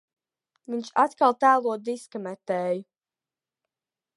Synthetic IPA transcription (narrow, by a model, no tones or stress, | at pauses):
viɲt͡ʃat̪kalˠt̪æːlˠuɔd̪iskamɛt̪ɛːju